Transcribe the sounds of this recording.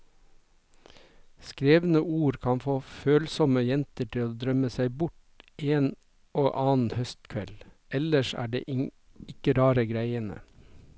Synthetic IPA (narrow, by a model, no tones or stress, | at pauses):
skɾeːʋn̩əuːɾkʰɑnfoːføːlsɔməjɛnt̪əʈʰɪoːd̪ɾœməsæɪbʊʈ | eːn | oːʔɑːn̩hœst̪kʰʋɛl | ɛləʃæ̰ːɖḛːʔɪ | ɪkəɾɑːɾəɡɾæɪənə̰